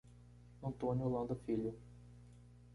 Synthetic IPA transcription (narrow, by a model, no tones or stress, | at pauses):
ɐ̃nt̪õnʲʊolɐ̃nd̪ɐfiʎʊ